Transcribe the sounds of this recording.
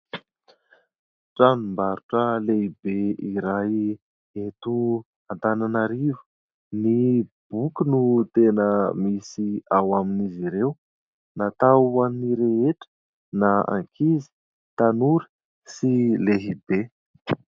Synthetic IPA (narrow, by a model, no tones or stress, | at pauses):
ʈ͡ʂanimbaɾuʈ͡ʂəleɦibeiɾaj | et̪u | ant̪ananaɾivu̥ | nib̥ukunut̪enəmisiawaminiziɾew | nat̪aanniɾeeʈ͡ʂə̥ | naa̰ŋkʰizi̥ | t̪anuɾə̥ | sileɦibe